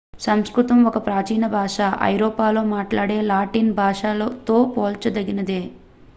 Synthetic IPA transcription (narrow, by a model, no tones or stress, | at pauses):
sɐmskɾut̪ɐmɔkɐpɾaːt͡ʃiːnɐbʱaːʂaːʔɐ̰jɾoːpaːlo̞ːmaːʈlaːɽe̞ːlaːʈiːnbʱaːʂaːloːt̪oːpoːlt͡ʃɐd̪ɐɡinɐd̪eː